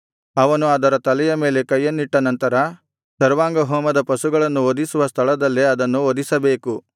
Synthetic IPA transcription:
ɐʋɐnuɐd̪ɐɾɐt̪ɐlɛjɐme̞ːle̞kɐjːɐnːiʈːɐnɐnt̪ɐɾɐ | sɐɾʋaːŋɡɐɦɔːmɐd̪ɐpɐsuɡɐɭɐnːuod̪isuʋɐst̪ʰɐɭɐd̪ɐlːiɐd̪ɐnːuod̪isɐbe̞ːku

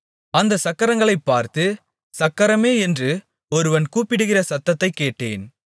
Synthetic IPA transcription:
ɐnd̪ɐsɐkːɐɾɐŋɡɐɭɐɪpːaːɾt̪ɯ | sɐkːɐɾɐmeːɛndrɯ | ɔɾɯʋɐnkuːpɪɽɯɣɪrɐsɐt̪ːɐt̪ːɐɪkːeːʈːḛːn

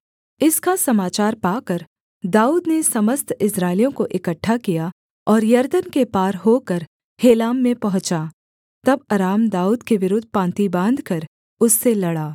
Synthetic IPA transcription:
ɪskasɐmaːt͡ʃaːɾpaːkɐɾ | d̪aːuːd̪nesɐməst̪ɪsɾaːɪlijõkoʔɪkəʈʰːakija | ɔːɾjɐɾd̪ənkepaːɾɦokɐɾ | heːlaːmːẽpɐɦʊ̃t͡ʃa | t̪ɐbɐɾaːmd̪aːuːd̪keʋɪɾʊd̪ʱpãːnt̪ibãːnd̪ʱkɐɾ | ʊsːelɐɽaː

